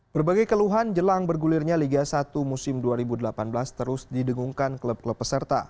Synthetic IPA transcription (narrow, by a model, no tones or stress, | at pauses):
b̥ərbaɡajkəluɦand͡ʒəlaŋbərɡulɪrɲaliɡasat̪umusɪmduaɾibudəlapanbəlast̪əɾʊsdidəŋuŋkankləb̚kləpːəsərt̪a̰